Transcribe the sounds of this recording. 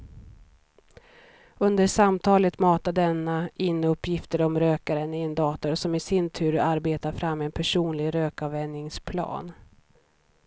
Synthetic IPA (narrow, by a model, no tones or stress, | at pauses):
ɵnd̪əɾʂamt̪ʰɑːlət̪mɑːt̪ad̪ɛnːaɪnːəɵpːjɪft̪əɾɔmɾøːkaɾənɪɛnd̪ɑːt̪ɔɾsɔmɪsɪnt̪ʰʉ̟ːɾaɾbeːt̪aɾfɾamːɛnpʰæʂuːnlɪɡɾøːkavɛnːɪŋspʰlɑ̰ːn